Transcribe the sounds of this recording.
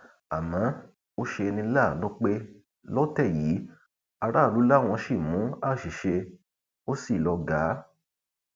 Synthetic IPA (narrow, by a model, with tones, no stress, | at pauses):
a˨mã˨˦ | o˦ʃe˧nĩ˧˦la˦˨nũ˦k͡pe˦ | lɔ˦tɛ˦˨jiː˨˦ | a˧ɾa˦˨lu˨˦la˦˨w̃ɔ̃˧ʃi˦˨mũ˨˦a˦˨ʃi˨ʃe˧ | o˦si˦˨lɔ˧ɡa˨˦